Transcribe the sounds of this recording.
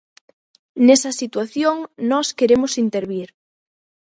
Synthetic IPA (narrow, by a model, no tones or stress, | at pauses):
nesɐsit̪waθjoŋnɔskeɾemʊsint̪eɾβiɾ